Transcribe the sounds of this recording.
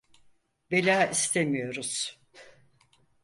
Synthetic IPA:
be̞lʲaːist̪ʰemijo̞ɾuz̥

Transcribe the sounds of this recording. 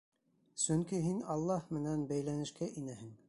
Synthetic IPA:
sɵŋkiɦinɑlˠːɑhmɘ̆nænbæjlænɘ̆ʃkæʔinæhɘŋ

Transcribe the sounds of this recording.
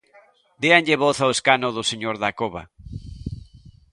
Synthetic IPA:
d̪eanʎeβoθaoeskanʊðʊseɲoɾðakoβa̰

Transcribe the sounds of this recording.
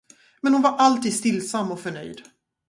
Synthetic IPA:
mɛnhʊnvaɾʔalt̪iːd̪st̪ɪlːsamːɔfœɳœ̰jd̪

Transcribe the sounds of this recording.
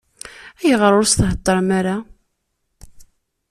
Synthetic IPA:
æjəʁəɾʊɾsθɦət̪ˤːɑɾˤmaɾa

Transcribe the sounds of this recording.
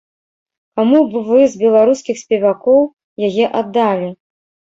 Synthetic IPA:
kamubvɨzbʲɛlˠaɾuskʲixsʲpʲɛvakɔw | jajɛʔad̪ːalʲi

